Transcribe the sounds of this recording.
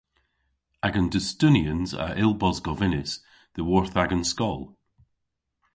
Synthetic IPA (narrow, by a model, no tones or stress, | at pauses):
aɡə̃ndəstʉniə̃nzə̰ʔɪlˠbɔzɡɔvɪnɪs | ðəwɔɹθaɡə̃nskɔlˠ